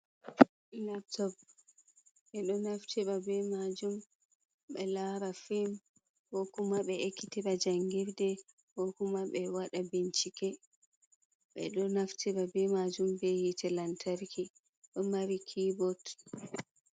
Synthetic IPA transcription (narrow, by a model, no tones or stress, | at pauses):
nap̚tɔb | ɓɛɗɔnaftʰɛɓabɛmad͡ʒum | ɓɛlaɾafim | hɔkumaɓɛekːitiɓad͡ʒaŋɡiɾdɛ | bokumaɓɛwaɗabint͡ʃikɛ | ɓɛ̰ɗɔnaftiɓabɛmad͡ʒumbɛhitʰɛlantʰaɾkʰi | ɗɔmaɾikʰibɔt